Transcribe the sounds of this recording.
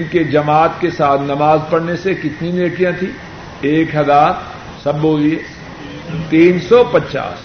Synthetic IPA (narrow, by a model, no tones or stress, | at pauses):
nked͡ʒɐmaːt̪kesaːt̪ʰnɐmaːzpɐɽnesekɪt̪nineːkijãt̪ʰi | eːkɦɐzaːɾ | sɐbːoːlieː | t̪iːnsɔpɐt͡ʃa̰ːs